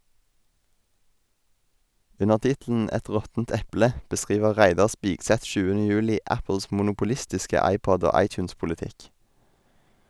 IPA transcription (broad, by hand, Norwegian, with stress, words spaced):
ˈʉnəʁ ˈtɪtl̩n̩ ˈɛt ˈʁɔtn̩t ˈɛplə bəˈskʁiːʋə ˈʁæɪdɑʁ ˈspɪɡsɛt ˈʃʉːənə ˈjʉːlɪ ˈæpl̩s mʊnʊpʊˈlɪstɪskə ˈɑɪˌpɔd ˈoː ˈɑɪˌtjʉːnspʊlɪˌtɪk